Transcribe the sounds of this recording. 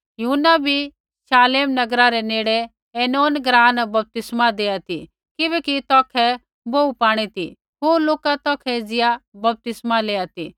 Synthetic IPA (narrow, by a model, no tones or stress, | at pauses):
jʊɦʊnːabʱi | saːleːmnɐɡɾaɾɛneːɽe | eːnoːnɡɾãːnbɐp̚t̪ɪsmad̪eːjat̪i | kɪbɛːkit̪ɔːkʰɛ | boːupaːɽ̃it̪i | ɦoloːkat̪ɔːkʰɛd͡zɪjabɐp̚t̪ɪsmaleːat̪i